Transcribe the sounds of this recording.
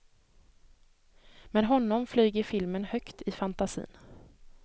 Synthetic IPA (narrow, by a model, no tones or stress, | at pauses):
mɛnɦɔnːɔmflyːɡəɾfɪlmənhœkt̪ɪfant̪asḭːn